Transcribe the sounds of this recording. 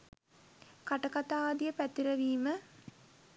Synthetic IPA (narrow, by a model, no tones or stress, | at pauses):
kaʈɐkat̪aːd̪ijəpæt̪ːiɾəʋiːmə